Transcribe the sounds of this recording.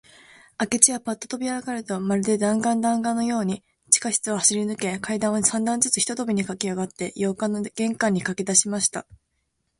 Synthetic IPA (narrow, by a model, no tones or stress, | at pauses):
ake̞t͡ɕiβapat̪ːot̪o̞bʲiaɡakaɾɯ̟t̪o̞maɾɯ̟d̪e̞d̪ãŋɡãnd̪ãŋɡãnːo̞jo̞ːɲ̟i | t͡ɕi̥kaɕi̥t͡sɨohaɕiɾʲinɯ̟ke̞kaid̪ãɰ̃osãnd̪ãnd͡zɨt͡sɨçi̥t̪ot̪o̞bʲiɲ̟ikakʲiaɡat̪ːe̞jo̞ːkanoɡ̥ẽ̞ŋkãɲ̟ːikaked̪aɕimaɕi̥t̪a